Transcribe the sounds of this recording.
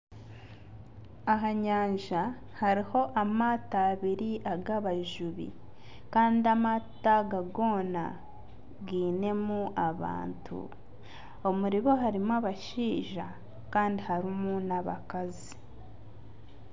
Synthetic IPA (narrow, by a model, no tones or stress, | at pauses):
aɦaɲaːɲʒa | haɾiho̞ʔamaːtaːβiɾiʔaɡaβaʒuβḭ | kaːndiamataɡaɡo̞ːna̰ | ɡiːne̞muʔaβa̰ːntʰṵ | o̞muɾiβo̞ɦaɾimaβaʃiːʒa | kaːndihaɾimunaβa̰kazi